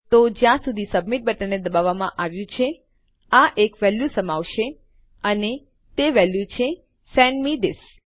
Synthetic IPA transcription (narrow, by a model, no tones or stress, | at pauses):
t̪od͡ʒjãsud̪ʱisəbmiʈ̚bəʈəned̪əbaʋamãʔaʋjũt͡ʃʰe | aʔekʋɛljusəmaʋʃe | əne | t̪eʋɛljut͡ʃʰe | sɛnmid̪ɪs